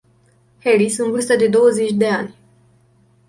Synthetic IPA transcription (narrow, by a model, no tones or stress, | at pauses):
helisɨnvɨrst̪əd̪e̞d̪o̞wəzet͡ʃʲd̪e̞anʲ